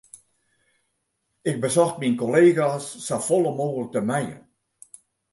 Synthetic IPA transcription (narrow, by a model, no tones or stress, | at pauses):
ɪk̚bəsɔxtminkoleːɣasːafolˠəmoːɣələk̚təmɛjə̰